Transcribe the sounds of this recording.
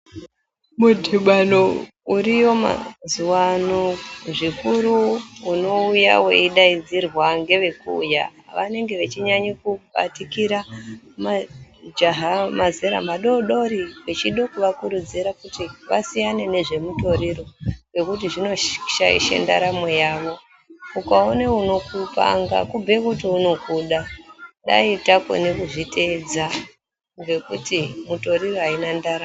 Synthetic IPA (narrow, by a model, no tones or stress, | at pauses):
mudʱiɓano | urijo̞ma̰zuwanoʐikuɾuuno̞uja̰wḛiɗaid͡zirwaŋɡe̞ʋe̞kṵja̰ʋa̰ne̞ŋɡe̞ʋet͡ʃiɲaɲikuɓa̰tikiɾa | mad͡ʒaɦamazeɾa̰maɗo̞ɗo̞ɾiwet͡ʃiɗokuʋakuɾud͡ziɾakutiʋa̰sijane̞ne̞ʐe̞muto̞ɾiɾowe̞kut̬iʐino̞ʃaḭʃḛnda̰ɾamwe̞jaːʋo̞ | ukaoneuno̞kupa̰ŋɡa̰kubʱe̞kutiuno̞kuɗaɗa̰itako̰nekuʐite̞d͡za | ɡe̞kutimuto̞ɾiroɦainandaɾa